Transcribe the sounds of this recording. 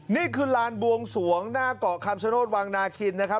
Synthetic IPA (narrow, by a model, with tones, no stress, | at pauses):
niː˥˩kʰɯː˧laː˧nbu˧əŋsu˩˦əŋnaː˥˩kɔː˨˩kʰa˧mt͡ɕʰa˦˧˦noː˥˩t̪̚waː˧ŋnaː˧kʰi˧nna˦˥kʰa˦˥p